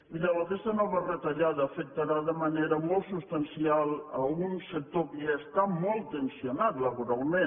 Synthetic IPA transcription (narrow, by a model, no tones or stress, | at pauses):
iləlokest̪ənɔβərət̪aʎaðəːfək̚t̪aɾaðəmaneɾəmolˠt̪sust̪ansialˠəunsek̚t̪opiest̪amɔlˠt̪ensionat̪ləβuɾalˠmẽn